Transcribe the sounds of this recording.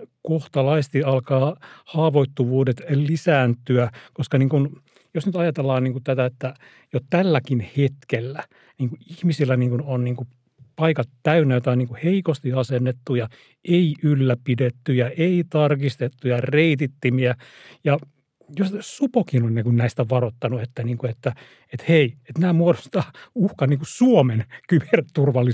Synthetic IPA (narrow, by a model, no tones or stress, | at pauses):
koht̪ɑlɑist̪iɑlkɑːhɑːʋoit̪ːuʋuːdet̪lisæːnt̪yækoskɑniːŋkun | josnyt̪ɑjɑt̪elːɑːnniːŋkut̪æt̪æet̪ːæ | jot̪ælːækinhet̪kelːæ | niːŋkuihmisilːæniːŋkunonniːŋku | pɑikɑt̪tːæynːæjot̪ɑoniːŋkuheikost̪iɑsenːet̪ːujɑ | ʔeiʔylːæpidet̪ːyjɑʔeit̪ɑrkist̪et̪ːujɑreit̪it̪ːimiæ | jɑ | jossupokinonʲnekunnæist̪æʋɑrot̪ːɑnuet̪ːæniːŋkuet̪ːæ | et̪heiet̪næːmuodost̪ɑːuhkɑnniːŋkusuomenkyb̥ert̪urʋɑlːi